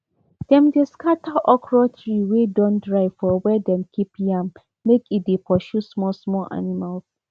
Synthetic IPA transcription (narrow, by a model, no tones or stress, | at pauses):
d̥ɛ̃mdeskatʰaʔɔkʰɹɔtɹiwedɔ̃ndɹaɪfɔwɛdɛ̃mkʰipjãm | mekit̚depʰɔʃusmɔsmɔʔa̰nimals